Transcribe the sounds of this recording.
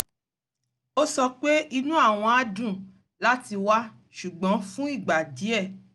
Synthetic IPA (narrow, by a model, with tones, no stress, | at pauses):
o˦sɔ˧k͡pe˦i˧nũ˦a˦˨w̃ɔ̃˧a˦dũ˦˨ | la˦ti˧wa˦ | ʃu˨ɡ͡bɔ̃˨˦fũ˦i˦˨ɡ͡ba˨di˨˦ɛ˦˨